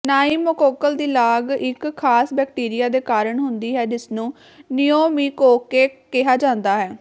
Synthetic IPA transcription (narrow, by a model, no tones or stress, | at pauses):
naːiːmːəkoːkəld̪iːlaːɡɪkʰːaːsbɛːkʈiːɾɪjaːd̪eːkaːɾəɳɦʊnd̪iːɦɛːd͡ʒɪsnũː | nɪjoːmiːkoːkeːkɪɦaːd͡ʒãːnd̪aːɦɛː